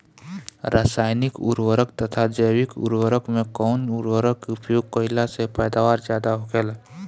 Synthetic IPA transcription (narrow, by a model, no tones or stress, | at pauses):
ɾaːsaːɪnɪkʊ̰ɾwəɾək̚t̪ət̪ʰad͡ʒəjʋɪkʊ̰ɾwəɾəkmẽkɔʊnʊɾwəɾəkʊpjoːɡ̚kəɪlasepɛːd̪aːʋaːɾzjaːd̪aɦoɡeːla